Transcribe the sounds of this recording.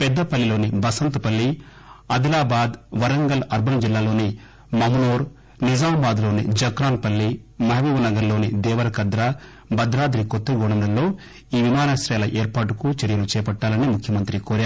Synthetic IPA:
pɛd̪ːɐpɐlːilo̞ːnibɐsɐnt̪upɐlːi | ɐd̪ilaːbaːd̪ʋɐɾɐŋɡɐlɐɾbʱɐnɐd͡ʒilːaːlo̞ːni | mɐmɐnoːɾ | nizaːmbaːd̪lo̞ːnḭd͡ʒɐkɾaːnpɐlːimɐɦɐʋiːʋɐnɐɡɐɾlo̞ːnid̪ɛːʋɐɾɐkɐd̪ɾɐ | bɐd̪ɾaːd̪ɾikot̪ːeɡɔɳɐmlɐlːo̞ː | iːʋimaːnɐsɾɐːlɐʔeːɾpaːʈukut͡ʃɐɾijɐlut͡ʃɛːpɐʈːaːlɐnimukʰjɐmɐnt̪ɾikoːɾjaːɾ

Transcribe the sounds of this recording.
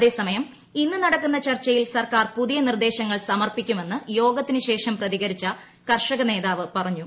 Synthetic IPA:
ɐðe̞ːsɐmɐjɐm | inːɨnɐɽɐkːunːɐt͡ɕɐrt͡ɕːɐjilsɐrkaːrpuðijɐnird̪e̞ːɕɐŋːɐɭsɐmɐrpikʲːume̞nːɨjo̞ːɡɐt̪ːinɨɕe̞ːʂɐmprɐðiɣɐɾit͡ɕːɐ | kɐrʂɐɣɐne̞ːðaːʋɨpɐrɐɲːu

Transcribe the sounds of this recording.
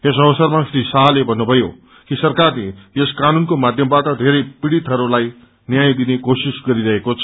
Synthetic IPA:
esʌbʌsʌrmasɾisaɦlebʱʌnːubʱʌjo̰ | kisʌrkarlejeskanunkomad̪ʱjʌmbaʈʌd̪ʱeɾʌjpiɽit̪ɦʌɾulaj | njajd̪inekosisɡʌɾiɾʌɦekot͡sʰʌ

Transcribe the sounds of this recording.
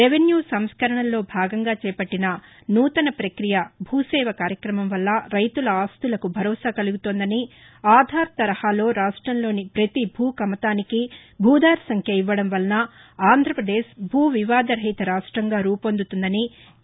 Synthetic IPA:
ɾeʋenjuːsɐmskɐɾɐɳɐlːo̞ːbʱaːɡɐŋɡaːt͡ʃɛːpɐʈːinɐ | nuːt̪ɐnɐpɾɐkɾijɐbʱuːsɛːʋɐkaːɾjɐkɾɐmɐmʋɐlːɐɾɐjt̪ulɐaːst̪ulɐkubʱɐɾɔːsaːkɐluɡut̪oːnd̪ɐni | aːd̪ʱaːɾt̪ɐɾɐhaːlo̞ːɾaːʂʈɾɐmlo̞ːnipɾɐt̪ibʱuːkɐmɐt̪aːniki | bʱuːd̪aːɾsɐŋkʰjɐiʋːɐɽɐmʋɐlnɐ | aːnd̪ʱɾɐpɾɐd̪eːʃbʱuːʋiʋaːd̪ɐɾɐjt̪ɐɾaːʂʈɾɐŋɡaːɾuːpond̪ut̪und̪ɐni

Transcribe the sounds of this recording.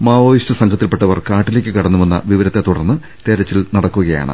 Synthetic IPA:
maːʋoːjiʂtɐsɐŋɡʰɐt̪ːilpe̞ʈːɐʋɐrkaːʈːile̞ːkʲːɨkɐɽɐnːuʋenːɐ̰ʋiʋɐɾɐt̪ːe̞t̪uɽɐrnːɨ | t̪eɾɐt͡ɕːilnɐɽɐkːuɣɐja̰ːɳɨ̰

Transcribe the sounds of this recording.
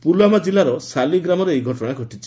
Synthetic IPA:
pulwamad͡ʒilaɾɔsaliɡɾamɔɾeejɡʱɔʈɔɽ̃aɡʱɔʈit͡ʃʰi̥

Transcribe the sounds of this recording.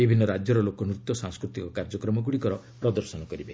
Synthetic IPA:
bibʱinːɔɾad͡ʒjɔɾɔlokɔnɾut̪jɔsãŋskɾut̪ikɔkaɾd͡ʒɔkɾɔmɔɡuɽikɔɾɔ | pɾɔd̪ɔɾsɔnɔkɔɾibe

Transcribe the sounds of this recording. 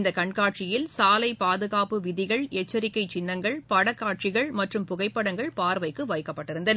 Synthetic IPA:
nd̪ɐkɐɳkaːʈt͡ʃɪjɪlsaːlɐɪpaːðɯɣaːpɯʋɪðɪɣɐɭɛt͡ʃːɐɾɪkːɐɪt͡ʃɪnːɐŋɡɐɭpɐɽɐkːaːʈ̚t͡ʃɪɣɐɭmɐʈrɯmpʊɣɐɪpːɐɽɐŋɡɐɭpaːɾʋɐɪkːɯʋɐjkːɐpːɐʈːɪɾɯnd̪ɐn

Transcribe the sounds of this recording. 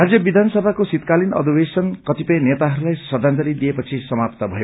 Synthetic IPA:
ɾad͡zjʌbid̪ʱansʌbʱakosit̪kalinʌ̰d̪ʱibesʌnkʌt̪ipʌjnet̪aɦʌɾulajsʌd̪ʱant̪ʌɾid̪iepʌt͡sʰisʌmapt̪abʱʌe

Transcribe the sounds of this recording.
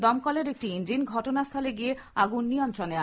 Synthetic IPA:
d̪ɔmkɔleɾek̚ʈiind͡ʑinɡʱɔʈonast̪ʰaleɡieaɡunːijɔnt̪ɾonea

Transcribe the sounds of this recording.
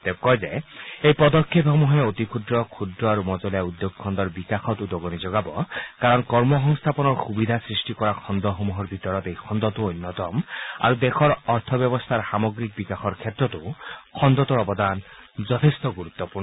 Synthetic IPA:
t̪ekɔjzeejpɔd̪ɔkʰːep̪ɦomuɦeot̪ikʰud̪ɾɔkʰud̪ɾɔaɾumɔd͡ʒɔlijaud̪joɡɔkʰɔnd̪ɔɾbikaxʰɔt̪ud̪oɡɔnid͡ʒoɡabɔkaɾɔnkɔɾmɔɦɔŋst̪ʰapɔnɔɾxubid̪ʱasɾisʈikɔɾakʰɔnd̪ɔɦomuɦɔɾbʱit̪ɔɾɔt̪ejkʰɔnd̪ɔt̪uojnːɔt̪ɔma̰ɾud̪exʰɔɾɔɾt̪ʰɔbjɔbɔst̪ʰaɾsamɔɡɾik̚bikaxʰɔɾkʰet̪ːɾɔt̪ukʰɔnd̪ɔt̪uɾɔbɔd̪and͡ʒɔt̪ʰest̪ɔɡuɾut̪ːɔpuɾnɔ

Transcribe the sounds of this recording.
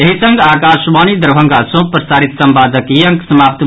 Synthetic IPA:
eɦisəŋɡaːkaːʃbanid̪əɾbʱə̃ŋɡasõpɾɐsaːɾit̪sɐmbaːd̪əkjɐŋksɐmaːp̚t̪

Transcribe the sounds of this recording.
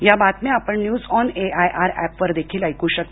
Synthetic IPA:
jabat̪meapəɳnjuːd͡zɔneajʔaɾæpʋəɾd̪ekʰiːlajkuːɕək̚t̪

